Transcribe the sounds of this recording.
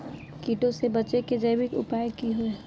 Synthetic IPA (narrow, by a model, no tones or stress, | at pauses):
kiːʈõsebət͡ʃeked͡ʒəɪbɪkʊ̰paːjkiɦoe